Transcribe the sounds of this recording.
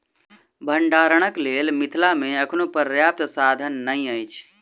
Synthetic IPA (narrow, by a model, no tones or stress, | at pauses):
bʱəɳɖaːɾəɽ̃əkleːlmit̪ʰlameəkʰnopəɾjap̚t̪sad̪ʱənːəĩəjt͡ʃʰ